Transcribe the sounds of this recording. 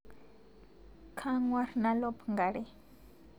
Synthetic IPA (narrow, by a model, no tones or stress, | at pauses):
kʰaŋwaɾnalopŋɡaɾi